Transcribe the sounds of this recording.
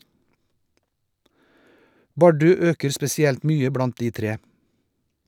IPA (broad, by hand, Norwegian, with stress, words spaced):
ˈbɑɖʉ ˈøːkəɾ spɛsɪˈɛlt ˈmyːə ˈbɽɑnt ˈdiː ˈtɾeː